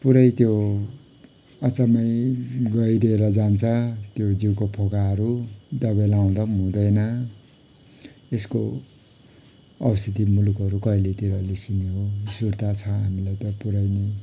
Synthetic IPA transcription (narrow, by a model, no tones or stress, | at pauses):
puɾʌjt̪jo | at͡samʌjɡʌjɾeɾʌd͡zant͡sʰʌt̪jod͡ziwkopʰokaɦʌɾud̪ʌbelaw̃d̪ʌmũd̪ʌjnʌ | esko | ʌwst̪ʰit̪imulukɦʌɾukʌjlet̪iɾʌlesuneɦosuɾt̪at͡sʰʌɦamilajt̪ʌpuɾajne